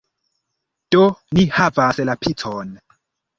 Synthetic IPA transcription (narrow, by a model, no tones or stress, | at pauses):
d̥onihavasɛlapʰitʰɔn